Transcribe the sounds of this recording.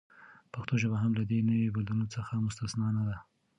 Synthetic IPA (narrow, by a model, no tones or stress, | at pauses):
paxt̪oʒabaɦamlad̪enəwebalunot͡səxamʊst̪asnɑnad̪a